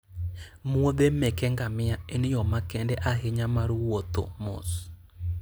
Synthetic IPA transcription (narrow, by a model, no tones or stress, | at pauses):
mwod̪emɛkɛŋɡamɪaenɪjɔmakɛndɛʔaɦeɲamaɾuwot̪o̰mo̰s